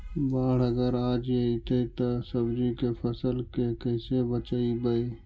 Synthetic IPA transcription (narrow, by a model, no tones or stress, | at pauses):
baːɽ̤əɡəɾaːd͡ʒjeɦit̪ʰeit̪osəbd͡ʒikepʰəsəlkekəɪsebət͡ʃaibəi